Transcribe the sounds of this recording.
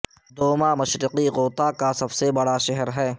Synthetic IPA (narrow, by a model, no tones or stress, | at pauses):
d̪oːmamɐʃɾɪqiɣoːt̪akasɐbsebɐɽaʃɛɦɛɾɦɛː